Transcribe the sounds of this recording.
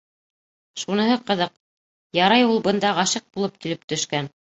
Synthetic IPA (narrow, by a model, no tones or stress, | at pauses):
ʃunɤ̆ɦɤqɤ̆ðɤq̚ | jɑɾɑjulˠbɤ̆nd̪ɑʁɑʃɤq̚bulˠɤp̚kilɘp̚t̪ɵ̆ʃkæn